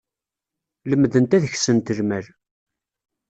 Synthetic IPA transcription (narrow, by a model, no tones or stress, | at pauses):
ləmːðənt̪æðəçsənt̪əlmæl